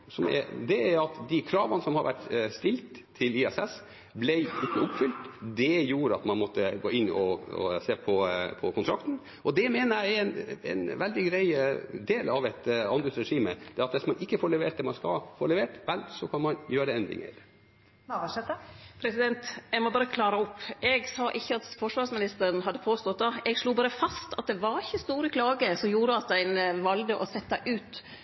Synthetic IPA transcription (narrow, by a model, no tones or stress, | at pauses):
sɔmɛ̰d̪ɛæɾɑt̪d̪ɪkʰɾɑːʋɑnəsɔmhɑɾʋæ̰ʈst̪ɪlt̪ʰːɪlɪɛsɛs | blæɪɪkːəʊpːfʏlt̪d̪ɛjuːɾəɑ̰t̪mɑnmɔt̪ːəɡoːɪnːɔɔ̰seːpʰɔpʰɔkʰʊnt̪ʰɾɑkt̪n̩ | ʔɔd̪ɛmeːnəæɪnɛ̰nʋɛld̪ɪɡɾæɪd̪eːlɑʋɛt̪ɑnʉtsɾɛʂiːməd̪̥ɛɾɑt̪ʋɪsmɑnɪkːəfoːɭɛʋeːʈ̪d̪ɛːmɑnskɑ̰lfo̰ːɭɛʋeːʈʋɛlsɔkʰɑnmɑnjøːɾəɛnd̪ɾɪ̰ŋə̰ɾ | ʋɑʂɛt̪pʰɾɛsɪd̪ɛnt̪ɛɪɡmɔbɑːɾəkʰlɑːɾɑɔpːʔɛɡsɑʔɪçːəɑt̪fɔʂʋɑːɾsmɪnɪst̪əɾən̩ɦɑd̪ːəpʰoːst̪ɔt̪̚d̪ɑɛɡʂluːbɑːɾəfɑst̪ɑt̪̚d̪ɛʋɑɾɪçːəst̪uːɾəkʰlɑːɡəsɔmjuːɾəɑt̪̚d̪æɪnʋɑld̪əʔɔsɛt̪ːɑʔʉːt̪